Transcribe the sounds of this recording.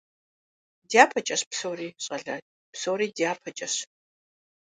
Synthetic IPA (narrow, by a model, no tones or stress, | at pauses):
dijaːpʰɐt͡ʃʼɐɕpsowriːɕʼɐɮatʼ | psowɾiːdijaːpʰɐt͡ʃʼɐɕ